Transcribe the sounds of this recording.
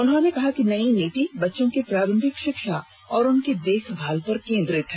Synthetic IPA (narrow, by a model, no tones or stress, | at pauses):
ʊnɦõnekɐɦakinɐineːʈibɐtːʃõkipɾaːɾɐ̃mbʱɪkʃɪkʃa | ɔːɾʊnked̪eːkʰbʱaːlpɐɾkẽːnd̪ɾɪt̪ʰɦɛː